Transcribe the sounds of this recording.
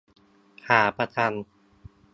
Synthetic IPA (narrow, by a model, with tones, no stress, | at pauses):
haː˩˦pʰa˧t̪ʰa˧n